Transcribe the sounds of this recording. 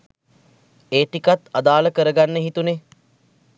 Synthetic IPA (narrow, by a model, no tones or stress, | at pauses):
eːʈikat̪ad̪aːləkəɾəɡanːəɦit̪une